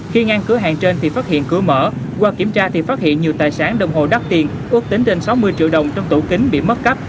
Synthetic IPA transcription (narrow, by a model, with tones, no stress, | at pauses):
xi˧ŋaː˧nkɨ˨˦əɦa̰ː˨nt͡ɕe˧nt̪ʰi˨˩faː˦˥t̚hḭ˧˨ənkɨ˨˧˩əmə̰ː˧˩ | kwaː˧ki˧˩əmt͡ɕaː˧t̪ʰi˨˩faː˦˥t̚hḭ˧˨ənɲi˨˩əwt̪aː˨˩jsaː˨˦nɗə˨˩wŋ͡mɦo̰˧˨ɗa˦˥k̚t̪i˨˩ən | ʔɨ˦˥ək̚t̪ï˨˦ŋ̟t͡ɕe˧nsa˨˦wmɨ˧əjt͡ɕḭ˧˨əwɗə˨˩wŋ͡mt͡ɕɔ˧wŋ͡mt̪u˧˩kï˨˦ŋ̟ɓḭ˧˨mə˦˥t̚kə˦˥p̚